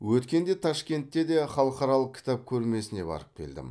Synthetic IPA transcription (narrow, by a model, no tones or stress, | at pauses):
wɵt̪kʲe̞nd̪et̪ʰɑʃkʲe̞nt̪ːe̞d̪e̞χɑlˠəqɑɾɑlˠəq̚kʲʰɪ̥t̪ɑp̚kʲʰɵɾme̞sɪne̞bɑ̰ɾəp̚kʲʰe̞̰ld̪ɪ̰m